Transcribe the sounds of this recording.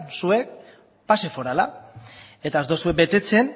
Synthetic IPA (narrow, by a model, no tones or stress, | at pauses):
nsue̞k̚ | pase̞fo̞ɾala̰ | e̞t̪aet̪osuek̚be̞t̪e̞t͡se̞n